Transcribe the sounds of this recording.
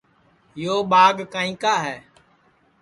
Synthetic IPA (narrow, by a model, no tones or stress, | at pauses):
joːɓaːɠkaːĩːkaːɦɛː